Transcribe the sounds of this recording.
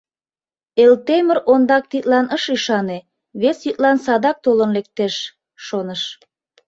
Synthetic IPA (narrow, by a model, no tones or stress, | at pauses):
elt̪eməɾond̪ɑk̚t̪it̪lɑnəʃyʃɑne | βesjyt̪̚lɑnsɑd̪ɑk̚t̪olənlek̚t̪eʃː | onəʃ